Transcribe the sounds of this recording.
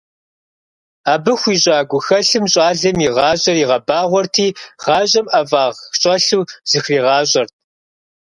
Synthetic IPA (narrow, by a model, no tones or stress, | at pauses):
aːbɨxʷiːɕʼɑːɡʷʊxɐɬɨmɕʼɑːɮɐmiʁɑːɕʼɐriʁɐbaːʁʷɔrtʰiːχɑːʑʼɐmɐvaːʁxɕʼɐɬuːz̥ɨxriːʁɑːɕʼɐrt̚ʰ